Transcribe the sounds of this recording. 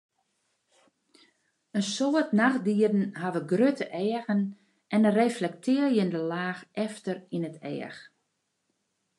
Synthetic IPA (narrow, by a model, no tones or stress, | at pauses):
ənsoətnaxdiədn̩ɦaʋəɡrøtəʔɛːəɣən | ʔɛnəreflɛk̚tʰɪːəljəndəlaːxʔɛftərinətʰɛ̰ːəx